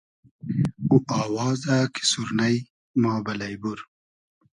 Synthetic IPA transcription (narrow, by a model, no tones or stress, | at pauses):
uʔɑːwɑːzakʰi̥suɾnaj | mɑːbɐlɐjbuɾ